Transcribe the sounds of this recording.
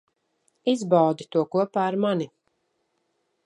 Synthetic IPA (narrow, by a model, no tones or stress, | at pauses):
izbawd̪it̪uɔkuɔpaːɾmani